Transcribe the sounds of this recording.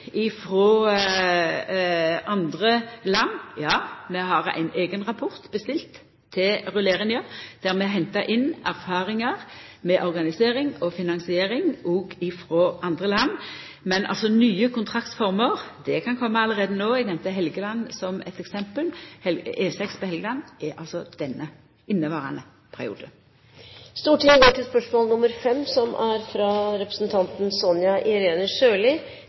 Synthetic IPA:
ɪfɾoː | ɑnd̪ʁəlɑnːjɑːmɛɦɑʁæ̰ɪneːɡənʁɑpʰɔʁt̪b̥əst̪ɪlt̪ʰː | ɪlʁʉleːɾənjəd̪̥æʁmɛɦɛnt̪ɑɾʔɪnæʁfɑːʁɪŋɑʁmɛʔɔʁɡɑnɪseːɾɪŋɔfɪnɑnsɪeːɾɪŋʔɔːɡɪfʁoːʔɑnd̪ʁəlɑnː | mɛnʔɑ̰lsɔnyːəkʊnt̪ʰʁɑkt̪fɔʁməʁd̪ɛkʰɑnkʰɔmːəɑləʁeːd̪ənoːɛɡnɛmt̪əɦɛlɡəlɑnːsɔmɛ̰t̪ɛksɛmpəlhɛlʔeːsɛkspʰɔhɛlɡəlɑnːɛʔɑ̰lsɔd̪̥ɛnːə | ɪnːəʋɑːʁənə | pʰæʁɪ̰ṵːd̪ə | st̪uːʈʰɪŋəɡoːʈʰɪspœʂmɔːlnʊmːəɾfɛmːsɔmæɾfɾɑɾɛpɾə̥sn̩t̪ʰɑnt̪n̩sɔnjɑʔɪɾeːnəʂøːlɪ

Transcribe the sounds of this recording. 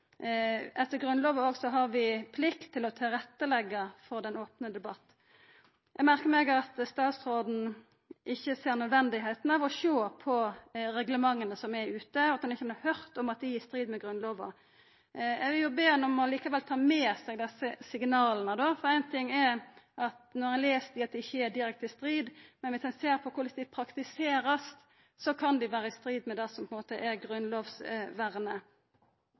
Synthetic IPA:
ɛt̪ːəɾɡɾʉnloːʋəoːɡsɔɦɑɾʋɪpʰlɪkt̪ʰːɪlɔt̪ʰɪlɾɛt̪ːəlɛɡːəfɔɾd̪ɛnoːpnəd̪ɛbɑt̪ː | jʔɛɡmæɾkəmɛɡɑt̪st̪ɑːt̪sɾoːd̪n̩ | ʔɪçːəseːɾnœd̪ʋɛnd̪ɪɦeɪt̪n̩ɑʋɔʃoːpʰɔɾɛɡləmɑŋːənəsɔmɛʉːt̪əɔɑt̪d̪ɛnɪçənːhœɾt̪ɔmɑt̪̚d̪ɪjiːst̪ɾiːd̪mɛɡɾʉnloːʋɑ̰ | ɛɡʋɪljʊbeːnɔmɔliːkɑʋɛlt̪ʰɑːmeːsɛɡd̪ɛsəsɪɡnɑːlənəd̪ofɔɾæɪnt̪ʰɪŋːɛɾɑt̪nɔɾɑnleːst̪ɪɑt̪d̪ɪɪçːəɛd̪ɪɾɛk̚t̪ɪst̪ɾiːd̪mɛnʋɪsɛnseːɾpʰɔkʊɾlɪt̪d̪ɛpʰɾɑkt̪ɪseːɾəst̪ | sɔkʰɑnd̪ɪʋæːɾəɪst̪ɾiːd̪mɛd̪ɛsɔmpʰɔɛnmoːt̪əʔɛɾɡɾʉnloːʋsʋæʁnə

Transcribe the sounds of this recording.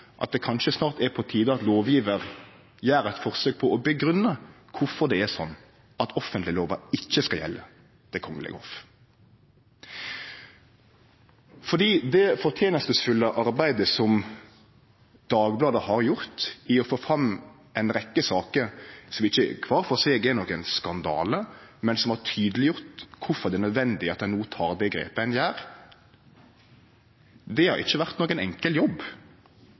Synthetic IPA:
ʔɑ̰t̪̚d̪ɛkʰɑnʃəsnɑːʁt̪ɛpʰɔt̪ʰiːd̪əɑt̪loːʋjiːʋəɾ | jæːɾɛt̪fɔʁsøːk̚pʰɔɔbəɡɾʉnːəkʰʊfɔʁd̪ɛɛsɔnː | ɑt̪ʰɔfənt̪lɪəloːʋɑɪçːəskɑljɛ̰lːə | t̪ʰɪlkʰɔŋːəlɛ̰ɡəɔ̰f | fɔʁd̪iːd̪ɛfɔʁt̪ʰjeːnəst̪əsfʉləʔɑɾbæɪd̪əsɔm | d̪̥ɑːɡblɑːd̪əhɑɾjʊɾt̪ɪɔfoːfɾɑmː | ɛɪnɾɛkːəsɑːkəɾsɔmɪçːə̰kʰʋɑːɾfɔseːɡɛnɔkːɛnskɑnd̪ɑ̰ːləmɛnsɔmhɑʁt̪ʰyːd̪əlɪjʊʁt̪kʰʊfɔɾʁd̪ɛnœd̪ʋɛnd̪ɪɑt̪æɪnuːt̪ʰɑːɾd̪ɛɡɾḛːpəɛɪnjæːɾ | d̪ɛhɑ̰ɾɪ̰çːəʋæʁt̪nɔkːəɛnɛ̰ŋkəljɔb

